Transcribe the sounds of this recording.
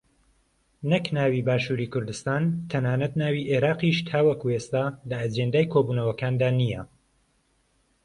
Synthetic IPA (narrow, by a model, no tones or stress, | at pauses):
nɐknaːwiːbaːʃuːɾiːkʰʊɾd̪ɨst̪aːnt̪ʰɐnaːnɐt̪naːwiːʔeːɾaːqiʃt̪ʰaːwɐkuest̪aːlɐːd͡ʒend̪aːjkʰoːbuːnɐwɐkaːnd̪aːnijɐ